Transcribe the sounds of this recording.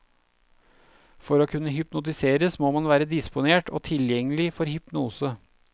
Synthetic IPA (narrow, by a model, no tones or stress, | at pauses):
fɔɾoːkʰʉnːəɦʏpnʊt̪̬ɪseːɾəsmoːmɑnʋæːɾəd̪ɪspʊneːʈʰo̰ːt̪ʰɪljɛŋːəlɪfɔɾhʏpnuːsə